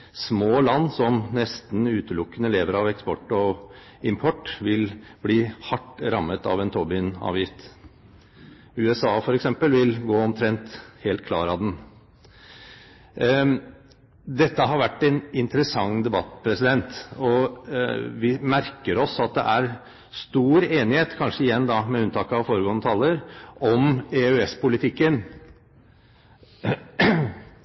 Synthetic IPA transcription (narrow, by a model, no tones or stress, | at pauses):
smoːlɑnːsɔmnɛst̪n̩ʉːt̪əlʊkːənəleːʋəɾɑʋɛkspɔʈːɔ | ɪmpʰɔʈːʋɪlbliːhɑʈːɾɑmːət̪ɑ̰ʋɛnt̪ʰɔbɪnɑ̰ːʋjɪft̪ | ʉːɛsɑːfɔɾɛksɛmpəlʋɪlɡoːɔmt̪ʰɾɛnt̪heːlt̪̚kʰlɑːɾɑd̪ɛn | d̪ɛt̪ːəɦɑɾʋæʈːɛnɪnt̪əɾəsɑŋd̪ɛbɑt̪ːpʰɾɛsɪd̪ɛnt̪ɔ | ʋɪmæɾkəɾɔsɑt̪̚d̪ɛ̰ʔæɾ | st̪uːɾeːnɪheːt̪kʰɑnʂəɪjɛnːd̪ɑmɛʉnt̪ʰɑːkəɑʋfoːɾəɡoːnət̪ʰɑlːəɾʔɔmɛœɛspʊlɪt̪ʰɪkːən